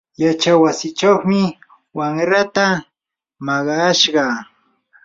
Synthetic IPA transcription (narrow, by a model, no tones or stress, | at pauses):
jat͡ʃawasɪt͡ʃaχmɪ | waŋɾat̪a | mɑɢɑʃɢɑ